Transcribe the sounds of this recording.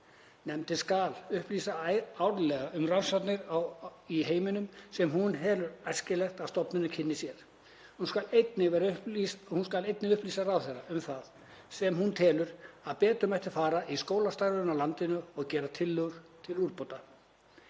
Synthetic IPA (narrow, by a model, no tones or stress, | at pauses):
nɛmt̪ɪskalʏhplisaawɾlɛɣaʏmransat̪nɪɾaiɦeːjmɪnʏmsɛmɦunɦɛːlʏɾajr̥scɪlɛxt̪aðst̪ɔpnʏnʏcʰɪnːɪsjɛɾ̥ | hunskalet̪nɪvɛɾʏshunskalejt̪nɪʏhpliːsaɾaːwθejɾːaʏmθað | sɛmhunt̪ʰɛːlʏɾaðpɛːt̪ʏmajht̪ɪ̥faːɾaiskoːwlast̪aɾðʏnawlant̪ɪnʏɔɣcɛːɾat̪ʰɪlːʏɣɾ̥t̪ʰɪluɾpowt̪a